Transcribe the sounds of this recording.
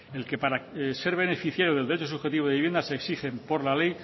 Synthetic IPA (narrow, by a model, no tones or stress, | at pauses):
e̞lke̞paɾase̞ɾβ̞e̞ne̞fiθjaɾjoð̞eld̪et͡ʃosuxe̞t̪iβðiβjend̪aseksixe̞mpo̞ɾlale̞j